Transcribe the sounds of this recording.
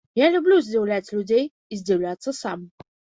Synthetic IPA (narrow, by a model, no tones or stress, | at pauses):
jalʲublʲuzʲd͡zʲɛwlʲat͡sʲlʲud͡zʲɛj | izʲdʲɛwlʲat̪səsam